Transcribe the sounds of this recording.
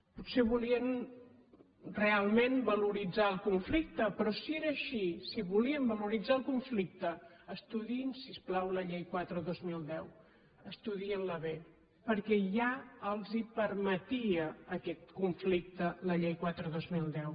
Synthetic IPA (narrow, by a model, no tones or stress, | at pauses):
putseβuliən | realˠmẽnbəluɾid͡zaəlˠkuɱflik̚t̪əpɾɔsieɾəːʃisiβuliəmbəluɾid͡zaəlˠkuɱflik̚t̪əəst̪uðinsisplawləʎejkwat̪ɾəðozmilˠd̪ɛw | əst̪uðiənləβe | pəɾkɛʒaəlˠzipəɾmət̪iəːkɛt̪kuɱflik̚t̪ələʎejkwat̪ɾəðozmilˠd̪ɛw